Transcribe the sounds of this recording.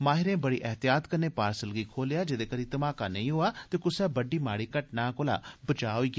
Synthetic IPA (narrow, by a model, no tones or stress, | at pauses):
maːɦɪɾẽːbəɽḭːʔɛɦt̪ɪjaːt̪kənẽːpaːɾsəlɡiːkʰoːlejaːd͡ʒɪd̪eːkəɾiːt̪əmaːkaːnəĩːɦoːaːt̪eːkʊsɛːbəɖːiːmaːɽiːkəʈnaːkoːla̰ːbət͡ʃaːɦoːiːɡ